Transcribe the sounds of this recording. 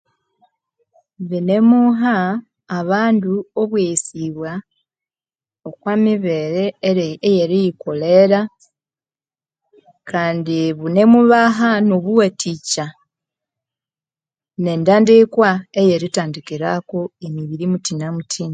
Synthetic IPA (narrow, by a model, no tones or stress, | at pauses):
βine̞muɦaː | βaːnduoβwesiβwa | okwamiβe̞ɾe̞ejeɾijiko̞le̞ɾa | kaːndiβune̞muβaɦanoβuwetica | ne̞ndaːndikwaejeɾitaːndikiɾakoemiβiɾimutinamutʰina